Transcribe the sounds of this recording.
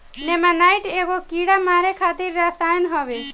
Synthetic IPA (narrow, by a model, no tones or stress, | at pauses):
nemanajʈeɡokiɽamaɾekʰat̪iɾːasajnɦʌbe